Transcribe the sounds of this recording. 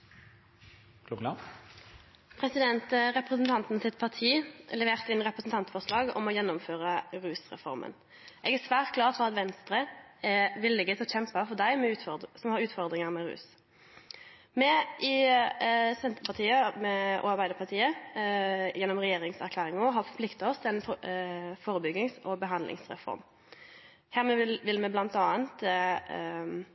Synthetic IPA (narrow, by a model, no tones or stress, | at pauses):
kuɑ | pʰʁɛsɪd̪ɛnt̪ʁɛpʁəsn̩t̪ʰɑnt̪nsɪt̪pʰɑʁt̪ʰiːlɛʋeːʁt̪əɪnʁɛpʁəsn̩t̪ɑnt̪fɔʁʂlɑːɡɔ̰mɔjɛnːɔmføːʁəʁʉːsʁɛ̰fɔ̰ɾmʔə̰n | ʔɛɡæsʋæːʁt̪̚ɡlɑːʁt̪fɔɑt̪ʋɛnst̪ʁəɛʋɪlːɪɡət̪ɔçɛmpbɑfɔd̪æɪmɛʉːt̪sɔmhɑɾʉːt̪fɔʁd̪ʁɪŋəʁmɛɾʉ̰ːs | mɛɪ | sɛnt̪əpʰɑt̪ʰiːəmɛʔɔ̰ɑɾbæɪd̪əɾpʰɑlt̪ʰiːə | jɛnːɔmʁɛjeːɾɪŋsæɾklæːɾɪŋɔɦɑfɔpʰlɪkt̪ɑɔst̪ʰɪɛnf | foːɾəbʏɡ̪ɪŋsɔbəɦɑnd̪lʔɪ̰ŋsʁɛ̰fɔ̰ɾm | hæːʁmɛʋɪlmɛblɑnt̪ɑːənt̪